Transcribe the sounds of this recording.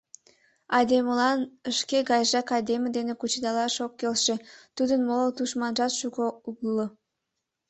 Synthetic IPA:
ɑd̪emlˠɑnə̆ʃkʲeɡɑjʒɑkɑd̪ʲeməd̪enɘkut͡ʃed̪ɑlˠɑʃokːʲelʲʃɘt̪yd̪ənmolˠot̪uʃmɑnʒɑt̪ʃuɡouɡllˠːə

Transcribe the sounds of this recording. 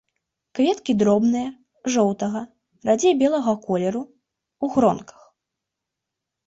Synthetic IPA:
kvʲɛt̪kʲid̪ɾɔbnɨjɐ | ʐɔwt̪ɐɣɐ | rad͡zʲejbʲɛlˠɐɣɐkɔlʲɛɾu | uɣɾɔnkɐ̥x

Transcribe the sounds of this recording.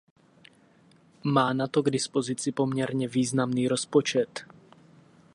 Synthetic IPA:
maːnat̪oɡdɪspozɪt͡sɪpomɲɛɾɲɛviːznamniːɾospot͡ʃɛt̪

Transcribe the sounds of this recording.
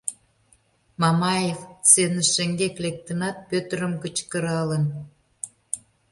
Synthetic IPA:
mɑmɑjevt͡senəʃeŋɡeklek̚t̪ə̆nɑt̪̚pøt̪əɾə̆mkət͡ɕkə̆ɾɑlə̆n

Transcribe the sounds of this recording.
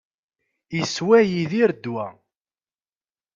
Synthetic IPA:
iswæjiðiɾd̪wæ

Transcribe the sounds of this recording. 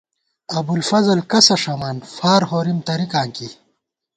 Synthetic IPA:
ɐbulfɐzɐlkɐsɐʂɐmaːnfaːɾɦoːɾimt̪ɐɾikaːŋki

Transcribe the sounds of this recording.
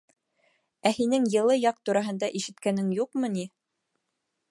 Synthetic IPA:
æhinɘŋjɤ̆lˠɤjɑq̚t̪uɾɑɦɤ̆nd̪ɑʔiʃɘ̆t̪kænɘŋjuqmɤni

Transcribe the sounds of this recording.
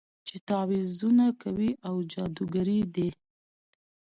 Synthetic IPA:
t͡ʃet̪ɑwizunakʰawiʔawd͡ʒɑd̪uɡaɾid̪e

